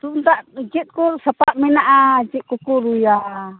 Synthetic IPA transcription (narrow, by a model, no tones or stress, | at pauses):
t̪unt̪aʔd͡ʒit̪̚kusapaʔmɛnaʔad͡ʒiʔ̪̚kukuɾuja